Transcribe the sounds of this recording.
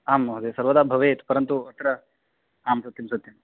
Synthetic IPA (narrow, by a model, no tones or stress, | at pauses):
aːmɦɐd̪esɐɾʋɐd̪aːbʱɐʋeːt̪u̥pɐɾɐnt̪uɐt̪ɾɐ | aːmsɐt̪jɐmsɐt̪jɐm